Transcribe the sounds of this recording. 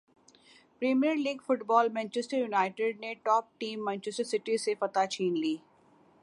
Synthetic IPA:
pɾeːmijəɾliːɡfʊʈbɔːlmɛ̃ːnt͡ʃɛsʈəɾjunaːɪʈɪɖ̚neʈɔːp̚ʈiːmːɛ̃ːnt͡ʃɪsʈəɾsɪʈisefɐt̪at͡ʃʰiːnliː

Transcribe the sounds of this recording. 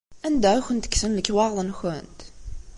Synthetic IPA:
ænd̪æçʷənt̪ə̥ksənləkːwɑʁlˤənxənt̪

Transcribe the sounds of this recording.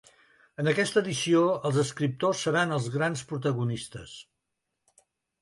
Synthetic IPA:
ənəkɛst̪əːðisioəlˠzəskɾip̚t̪osːəɾanəlˠzɣɾanspɾut̪əɣunist̪əs

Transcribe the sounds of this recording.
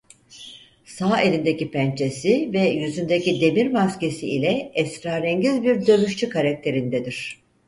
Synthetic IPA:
saːelʲind̪ecipænt͡ʃʰe̞sivɛjyzynd̪ecid̪e̞miɾmasce̞siilʲɛɛsɾaːɾɛɲɟizbiɾd̪ø̞myʃt͡ʃʰykʰaɾak̚t̪ʰe̞ɾind̪ɛd̪iɾ̝̥

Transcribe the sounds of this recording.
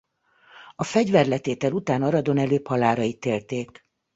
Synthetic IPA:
ɒfɛɟvɛrlɛt̪eːt̪ɛlut̪aːnɒɾɒd̪o̞nɛløːphɒlaːɾɒjit̪ːeːlt̪eːk

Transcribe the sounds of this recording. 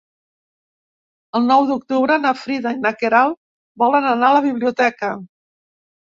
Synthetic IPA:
əlˠnɔwðuk̚t̪uβɾənəfɾiðajnəkeɾalˠ | bɔlənənaləβ̞iβliut̪ɛkə

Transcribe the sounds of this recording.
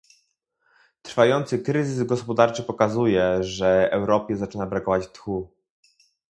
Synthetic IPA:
t̪ɾ̥fajɔnt̪sɘkɾɘzɘzɡɔspɔd̪aɾt͡ʂɘpɔkazujɛʐɛɛwɾɔpʲjɛzat͡ʂɘnabɾakɔvat͡ɕt̪xu

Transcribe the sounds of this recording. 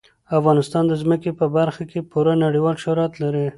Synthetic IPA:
afɣɑnɪst̪ɑnd̪əzməkepəbaɾxakepuɾanaɽiwɑlʃʊɾɑt̪laɾi

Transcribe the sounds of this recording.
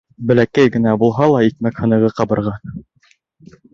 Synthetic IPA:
bɘ̆lækæjɡɘ̆næbulˠɦɑlˠɑit̪̚mækhɤ̆nɤ̆ʁɤqɑbɤ̆ɾʁɑ

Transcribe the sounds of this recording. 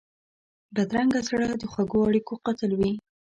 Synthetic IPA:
bad̪ɾaŋɡazɽad̪əxwaɡoaɽikoqat̪əlwi

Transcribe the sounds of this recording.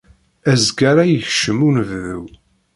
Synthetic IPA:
æzɡaɾajəçʃəmunəvðṵw

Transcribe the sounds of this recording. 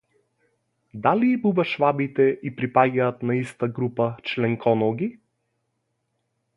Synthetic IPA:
d̪aliːbubaʃvabit̪ɛʔipɾipaɡʲaːt̪naist̪aɡɾupat͡ʃlɛŋkʰɔnɔɡi

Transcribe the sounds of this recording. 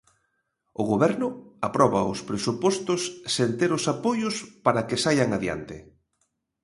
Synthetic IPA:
ʊɣoβɛɾnʊapɾɔβaʊspɾesupɔst̪ʊsːent̪eɾʊsapojʊspaɾakɪsajaŋaðja̰nt̪ɪ

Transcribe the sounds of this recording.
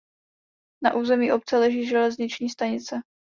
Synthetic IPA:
naʔuːzɛmiːʔo̞p̚t͡sɛlɛʒiːʒɛlɛzɲɪt͡ʃɲiːst̪aɲɪt͡sɛ

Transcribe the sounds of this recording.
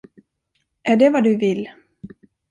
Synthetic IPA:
ʔæɖɛvad̪ɵvɪlː

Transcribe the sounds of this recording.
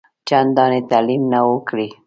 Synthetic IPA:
t͡ʃand̪ɑnet̪alimnawəkɽi

